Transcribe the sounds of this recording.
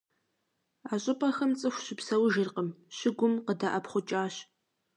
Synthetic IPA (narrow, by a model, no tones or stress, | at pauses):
aːɕʼɪpʼɐxɐmt͡sʼɨxʷɕɪpsɐwʒɪrqəmɕɪɡʷʊmqədaʔɐpχʷʊt͡ʃʼaːɕ